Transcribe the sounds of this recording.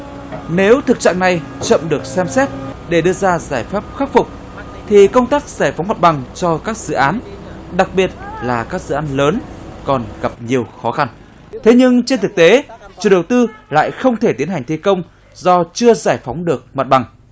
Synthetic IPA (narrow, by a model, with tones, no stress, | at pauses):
ne˨˦wt̪ʰɨ˨˩k̚t͡ɕa̰ː˧˨ŋna˨˩j | t͡ɕə̰˧˨mɗɨ˨˩ək̚sɛ˧msɛ˦˥t̚ɗe˧˩ɗɨ˧əzaː˧zaː˧˩jfaː˦˥p̚xaː˦˥t̚fʊ˨˩k͡p̚ | t̪ʰi˨˩kə˧wŋ͡mt̪aː˦˥k̚zaː˧˩jfa˨˦wŋ͡mma˨˩t̚ɓa˨˩ŋt͡ɕɔ˧kaː˦˥k̚zɨ̰˧˨ʔaː˨˦n | ɗa˨˩k̚ɓi˨˩ət̚laː˨˩kaː˦˥k̚zɨ̰˧˨ʔaː˨˦nləː˨˦nkɔ˨˩nɣa˨˩p̚ɲi˨˩əwxɔ˨˦xa˧n | t̪ʰe˨˦ɲɨ˧ŋt͡ɕe˧nt̪ɨ˨˩k̚t̪e˨˦t͡ɕṵ˨ɗə˨˩wt̪ɨ˧la̰ː˧˨jxə˧wŋ͡mt̪ʰe˧˩t̪i˨˦ənha˨˩jŋ̟t̪ʰi˧kə˧wŋ͡m | zɔ˧t͡ɕɨ˧əzaː˧˩jfa˨˦wŋ͡mɗɨ˨˩ək̚ma˨˩t̚ɓa˨˩ŋ